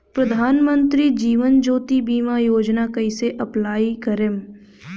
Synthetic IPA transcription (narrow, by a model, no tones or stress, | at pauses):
pɾɐd̪ʱaːnmə̃nt̪ɾid͡ʒiːʋənd͡ʒoːt̪ibiːmajoːd͡ʒnakɐiseʔɐplaːikɐɾem